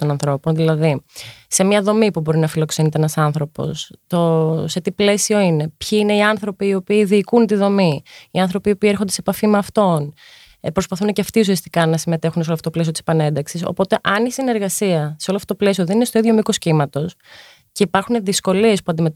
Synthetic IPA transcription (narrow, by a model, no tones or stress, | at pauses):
t̪o̞nɐnθɾo̞ponðilɐðise̞mɲɐðo̞mipubo̞ɾinɐfilo̞ksenit̪eenɐsɐnθɾo̞po̞̰st̪o̞set̪iple̞sio̞ine̞pçiine̞iɐnθɾo̞piːo̞piːðiːkunt̪iðo̞miiɐnθɾo̞piopiːe̞ɾxond̪esepɐfimeɐft̪o̞n | pɾo̞spɐθuneceɐft̪ius̬iɐst̪ikɐnɐsime̞t̪e̞xunseooɐft̪otolesiot̪isepɐne̞nd̪ɐksiso̰po̞t̪e̞ʔɐnisine̞ɾɣɐsiɐseo̞loft̪ot̪ole̞sio̞ðeninest̪o̞iðʝo̞mikoscimɐt̪o̞s | ce̞ipɐɾxuneðisko̞lie̞spuɐnd̪ime